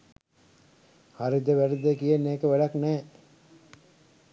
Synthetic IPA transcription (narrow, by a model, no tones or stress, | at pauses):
haɾid̪eʋæɾid̪ekijenːeːkəʋæɖaknɛː